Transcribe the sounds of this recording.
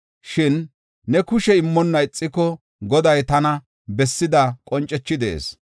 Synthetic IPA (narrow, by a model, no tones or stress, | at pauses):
ʃɪnː | ɛkʊʃɛɪmːɔnːɐɪt͡sʼːɪkɔ | ɡɔd̪ɐjt̪ɐnɐ | bɛsːɪd̪ɐkʼɔnt͡ʃʼːɛt͡ʃːɪd̪ḛːs